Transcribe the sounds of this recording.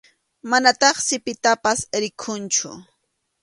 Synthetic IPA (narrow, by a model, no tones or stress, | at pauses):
manat̪ɑχsɪpɪt̪apasɾɪkʰʊnt͡ʃʊ̰